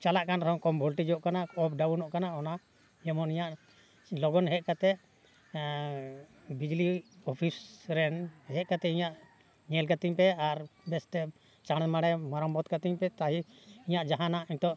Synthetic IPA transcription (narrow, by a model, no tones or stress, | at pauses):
t͡ʃalaʔkanɾɛɦɔŋkɔmbʱɔlʈid͡ʒɔʔkanaɔp̚ɖabunɔʔkanaɔna | ɛmɔnĩɲaʔ | lɔɡɔnɦɛʔ̪̚kat̪ɛʔ | bid͡ʒliɔpʰisɾɛnɦɛt̪̚kat̪ɛʔiɲaʔ | ɲɛlkat̪iɲpɛaɾbɛst̪ɛ | t͡ʃaɽ̃ɛmaɽɛmaɾɔmbɔt̪kat̪iɲpɛt̪aɦiiɲaʔd͡ʒaɦanaʔint̪ɔʔ